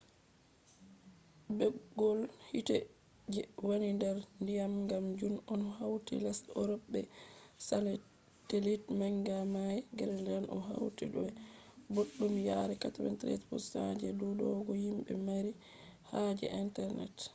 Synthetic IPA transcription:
bɛɡɔlhitɛ | d͡ʒɛwanindɛɾndijamŋɡamd͡ʒunɔnhawtḭlasɔɾɔbːɛsalɛ | telitmaŋɡamajɛɡɛlɛndanʔɔ̰ɦa̰wtɛ̰ɗɔboɗːumjaɾɛkatawɛ̰ntɾɛ̰tpɔ̰sad͡ʒɛdudɔɡɔhimɓɛ̰maɾi | had͡ʒɛ̰ʔintɛɾnɛ̰t

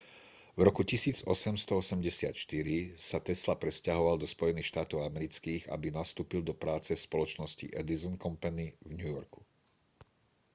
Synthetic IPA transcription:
vɾɔkucisiːd͡zɔ̰sɛmst̪ɔɔsɛmɟɛsɪa̰t̪ʃt̪iɾisat̪ɛslapɾɛscaɦɔʋald̪ɔspɔjɛniːxʃt̪aːt̪ɔʊamɛɾit͡skiːɣa̰binast̪uːpild̪ɔpɾaːt͡sɛfspɔlɔt͡ʃnɔscḭʔɛd̪izɔnkɔmpaɲivɲujɔɾku̥

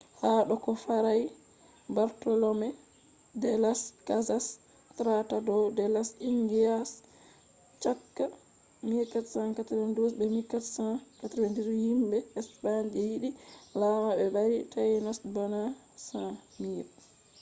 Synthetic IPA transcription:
haɗɔkɔfaɾaj | baɾtɔlɔmɛ | dɛlaskazas | tɾatadɔdɛlasiŋɡias | t͡ʃakːa | miɾkatsãnkatɾandusbɛmikatsãkataɾandiɾhimbɛɛspaɲd͡ʒɛjiɗilamabɛbaɾitajnasbana | sãmiɾ

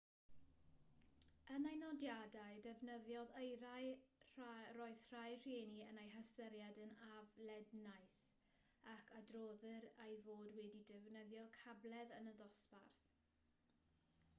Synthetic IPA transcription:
ənajnɔdjadaɨdɛvnəðjɔðəjɾajrroɨðr̥ajr̥eːniənejɦastəɾjadənavlɛdnajs | akʰadroːðəɾejvoːdwɛdidɛvnəðjɔkʰablɛðənəðɔsparθ

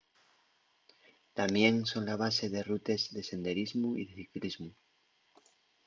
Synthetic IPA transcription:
t̪amje̞nso̞nlaβ̞ase̞ðe̞rut̪e̞zðe̞se̞nd̪e̞ɾizmuḭðe̞θiklizmu

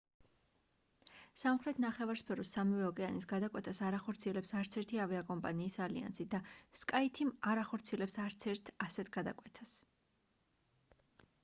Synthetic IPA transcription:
samχɾɛt̪ʰnaχɛvaɾspʰɛɾɔsːamivɛɔkʼɛanisɡad̪akʼwɛt̪ʰasaɾaχɔɾt̪sʰiɛlɛpsaɾt̪sʰɛɾt̪ʰiavɛakʼɔmpʼaniːsalḭa̰nsid̪askʼait̪ʰimaɾaχɔɾt̪sʰiɛlɛpsaɾt̪sʰɛɾt̪ʰasɛt̪ʰɡ̥ad̪a̰kʼwɛt̪ʰas

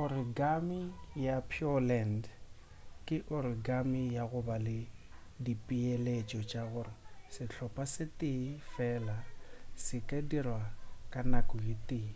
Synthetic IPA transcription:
ɣʊrɪɡamɪjapʰiɔlɛnd | kʼɪʔʊrɪɡamijaɣʊbalɪ | dipʼielet͡ʃʼɔt͡ʃʼaɣʊrɪsɪt͡ɬʰɔpʼasɪtʼɪfɛːlasɪkʼedirwakʼanakʼɔɣɪtʼɪ

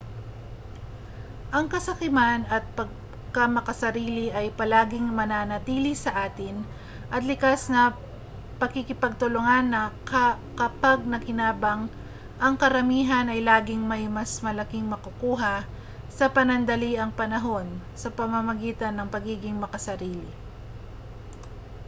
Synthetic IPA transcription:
ʔɐŋkɐsɐkɪmanɐt̪̚pɐɡ̚ | kɐmɐkɐsɐɾiːlɪʔɐjpɐlaːɡɪŋmɐnanɐt̪iːlɪsɐʔaːt̪ɪn | ʔɐt̪lɪkasnɐ | pɐkɪkɪpɐɡ̚t̪ʊloŋanːɐk | kɐpaɡ̚nɐkɪnaːbɐŋ | ʔɐŋkɐɾɐmiːɦɐnɐjlaːɡɪŋmɐjmɐsmɐlɐkɪŋmɐkʊkuːɦɐ | sɐpɐnɐnd̪ɐliʔɐŋpɐnɐɦo̞n | sɐpɐmɐmɐɡiːt̪ɐnːɐŋpɐɡiːɡɪŋmɐkɐsɐɾiːlɪ̰

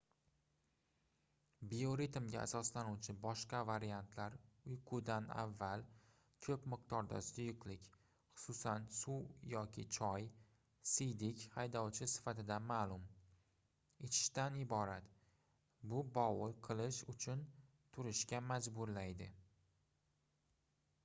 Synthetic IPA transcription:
bioɾit̪mɡʲa̰a̰sɒslanuwt͡ʃʰɪbɒʃqɑvaɾijant̪ʰlaɾʊjqʰʊd̪ana̰vːal | kʲʰɵpmɨq̚t̪ɒɾd̪a̰sʊjɪqlɪkʲ | χʊ̥sʊsansujɒkʲʰɪt͡ʃʰɒj | sɪjd̪ɪkʲhajd̪ɒwt͡ʃʰɪsɪ̥fat̪ʰɪd̪amaːlˠʊm | et͡ʃʰɪ̥ʃt̪anɪbɒɾat̪ | bʊbɒwɪqʰɨlˠɪʃʊt͡ʃʰʊn | t̪ʰʊɾɪʃkʲamad͡ʒbʊɾlajd̪ɪ

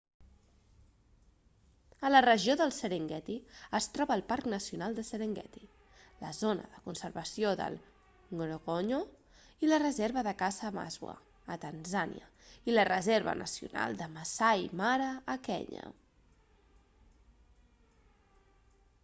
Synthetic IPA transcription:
ələrəʒioðəlˠsəɾeŋɡɛt̪iəst̪ɾɔβəːlˠpaɾknəsiunalˠd̪əsəɾeŋɡɛ̰t̪i | ləzonə̰ðəkunsəɾβəsijoðə̰lˠ | ŋɡɾoɣoɲo | ilərəzeɾβəðəkazəːma̰zwə̰ː | t̪ənzanḭə̰ | ilərəzeɾβə̰nʔə̰siṵna̰lˠd̪əməsajmaɾəːkɛ̰ɲə̰

